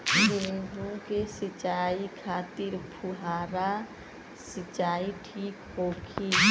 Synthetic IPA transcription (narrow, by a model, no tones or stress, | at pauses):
seɦũkesɪt͡ʃaːikʰaːt̪ɪɾpʰuɦaːɾa | sɪt͡ʃaːiʈʰiːkɦoːkʰi